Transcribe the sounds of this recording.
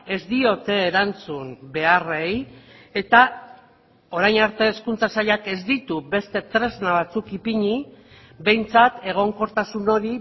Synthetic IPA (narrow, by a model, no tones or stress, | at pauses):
e̞zd̪io̞t̪e̞ːɾant͡sumbe̞are̞je̞t̪a | o̞ɾajnaɾt̪e̞ːskunt͡sasaʎake̞zd̪it̪uβe̞st̪e̞t̪ɾe̞znaβ̞at͡sukipiɲi | be̞jnt͡sat̪e̞ɣ̞o̞ŋko̞ɾt̪asuno̞ɾi